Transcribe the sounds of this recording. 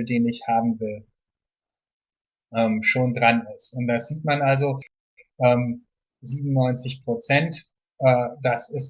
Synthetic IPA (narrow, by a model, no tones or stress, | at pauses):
deːnɪçhaːbm̩vɪl | ʔɛːmʃoːndʁanɪstʊnt̚d̥az̥iːtmanʔalzo | ʔɛːm | ziːbmnʊnɔʏnt͡sɪçpʁ̥ot͡sɛnt | ʔɛːd̥asɪs